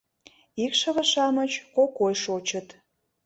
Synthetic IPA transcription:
ikʃə̆βəʃɑmət͡ɕkokojʃot͡ɕət̪

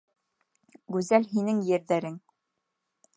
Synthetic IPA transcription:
ɡʉzælɦinɘŋjɘ̆ɾðæɾɘŋ

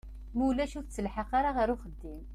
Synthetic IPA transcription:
muwlæʃuft͡sːəlħəqaɾaʁəɾuχəd̪ːim

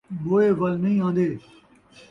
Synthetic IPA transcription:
boːeːʋɐlnɐɦĩːãːnd̪eː

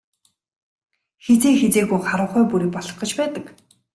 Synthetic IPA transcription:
xet͡seːxet͡seːɣujχaɾʊ̆ːχʊːpuɾiːk̚pɔɮɞ̆χɢə̆t͡ɕpæːt̪ə̆k

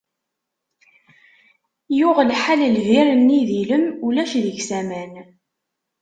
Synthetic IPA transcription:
jʊʁəlħaləlviɾənːiðiləmulæʃðəʝsæmæn

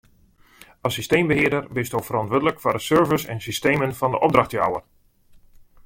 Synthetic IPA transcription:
ɑsistejmbəɦɪədərbɪstowfərɔntʋødələkfɔrəsøɹvəsɛ̰nsisteːmənfɑndəʔɔb̚drɑxtja̰wə̰r

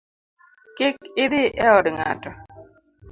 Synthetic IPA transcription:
kɪkɪd̪ɪʔɛɔdŋa̰tɔ

